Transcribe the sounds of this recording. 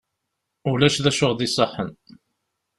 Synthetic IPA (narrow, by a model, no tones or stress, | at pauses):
ulæʃðæʃʊʁðisˤəħːən